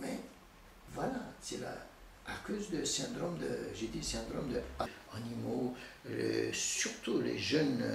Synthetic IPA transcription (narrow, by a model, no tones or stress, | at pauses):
mɛ | vwalasɛla̰ː | kozd̪əsɛ̃d̪ʁɔmd̪əʒed̪isɛ̃d̪ʁɔmd̪əaanimolesyʁt̪ulḛʒœn